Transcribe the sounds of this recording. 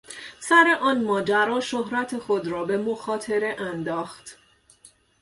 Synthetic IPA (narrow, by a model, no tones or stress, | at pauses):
sæɾe̞ʔɒːnmɒːd͡ʒæɾɒːʃoɦɾæt̪ʰe̞xo̞d̪ɾɒːbe̞moxɒːt̪ʰe̞ɾeʔænd̪ɒːxt̪